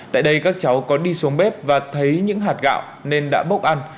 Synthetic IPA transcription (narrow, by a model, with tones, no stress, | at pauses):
t̪a̰ː˧˨jɗə˧jkaː˦˥k̚t͡ɕa˨˦wkɔ˨˦ɗi˧su˨˦ŋɓɛ˦˥p̚vaː˨˩t̪ʰə˨˦jɲɨ̰˧˥ŋɦaː˨˩t̚ɣa̰ː˧˨wne˧nɗa̰ː˧˥ɓə˦˥wk͡p̚ʔa˧n